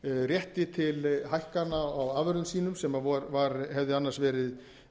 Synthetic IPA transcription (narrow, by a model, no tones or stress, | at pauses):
rjɛht̪ɪt̪ʰɪlɦajhkanːaawaðɾʏnsiːnʏmsɛmavɔɾvaɾhɛvðɪanːaɾsvɛːɾɪð